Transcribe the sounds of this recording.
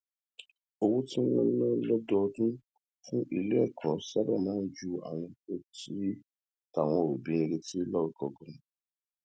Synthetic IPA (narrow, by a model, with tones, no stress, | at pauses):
o˧wu˦ti˦ɔ̃˧nã˦lɔ˦dɔ˧dũ˦ | fũ˦ʔi˨le˦ɛ˦˨kʰɔ˨˦sa˦ba˦˨mãː˨˦d͡ʒu˦a̰˨w̃ã˧ko˦ti˨˦ | ta˨w̃ɔ̃˧˨ɾo˨bĩ˨˦ĩ˧ɾe˧ti˦lɔ˦wɔ˨kɔ˨ɡɔ̃˦˨ñ˨